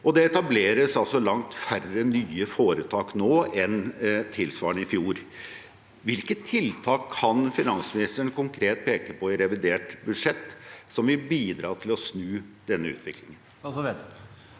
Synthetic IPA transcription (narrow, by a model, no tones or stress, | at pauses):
ɔd̪ɛɛt̪ɑbleːɾəsɑlsɔlɑŋt̪færənyːəfoːɾət̪ʰɑːknoːɛnt̪ʰɪlsʋɑːɳəɪfjuːɾ | ʋɪlkət̪ʰːɪlt̪ʰɑːkʰːɑnfɪnɑnsmɪnɪst̪əəɳkʰʊŋkʰɾeːt̪̚pʰeːkəpʰɔɪɾɛʋɪd̪eːʈbʉd̪ʂɛt̪ːsɔmʋɪbiːd̪ɾɑ̰ːʈ̪ʰɪlɔsnʉːd̪̥ɛnːəʉ̰ːt̪ʰʋɪklɪŋən